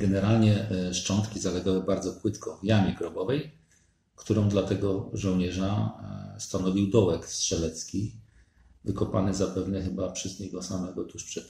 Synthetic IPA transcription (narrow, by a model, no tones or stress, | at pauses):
ɡɛnɛɾalɲɛʂt͡ʂɔnt̪kʲizalɛɡawɘbaɾd̪zɔpwɘt̪kɔvjamʲiɡɾɔbɔvɛj | kt̪uɾɔ̃w̃d̪lat̪ɛɡɔʐɔ̃wɲɛʐast̪anɔvʲiwd̪ɔwɛkstʂɛlɛt̪skʲi | vɘkɔpanɘzapɛvnɛxɘbapʂɛzɲɛɡɔsamɛɡɔt̪uʂpʂɛt̪